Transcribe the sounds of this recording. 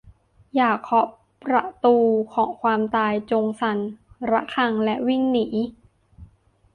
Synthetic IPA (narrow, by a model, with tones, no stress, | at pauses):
jaː˨˩kʰːɔ˦˥ | pɾa˧t̪uː˧kʰɔː˩˦ŋkʰwaː˧mt̪aː˧jt͡ɕo˧ŋsa˧nɾa˦˥kʰːa˧ŋlɛ˦˥ʔwi˥˩ŋniː˩˦